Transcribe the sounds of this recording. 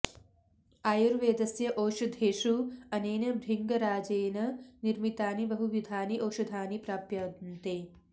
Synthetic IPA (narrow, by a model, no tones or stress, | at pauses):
aːjuɾʋeːd̪ɐsjɐʔoːʃɐd̪ʱeːʃuɐneːnɐbʱɾiŋɡɐɾaːd͡ʒeːnɐniɾmit̪aːnibɐɦuʋjud̪ʱaːniʔoːʃɐd̪ʱaːnipɾaːpjɐd̪nt̪eː